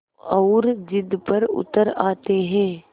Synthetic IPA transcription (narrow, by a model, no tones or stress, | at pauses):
ɔːɾd͡ʒɪd̪pɐɾʊ̰t̪əɾaːt̪eɦɛ̃ː